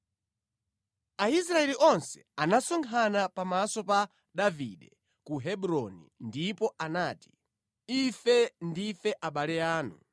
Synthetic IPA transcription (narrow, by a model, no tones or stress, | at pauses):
aisɾaɛliʔɔnsɛ̥anasɔŋkʰanapamasɔpa | ɗavḭɗɛ | kuɦɛɓuɾɔnḭndipɔʔanaːti̥ | ifɛndifɛʔaɓalɛaːnṵ